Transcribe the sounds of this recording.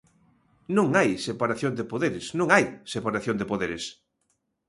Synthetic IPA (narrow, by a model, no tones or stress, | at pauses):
nõŋajsepaɾaθjõnd̪ɪpoðeɾɪsnõŋajsepaɾaθjõnd̪epoðeɾɪs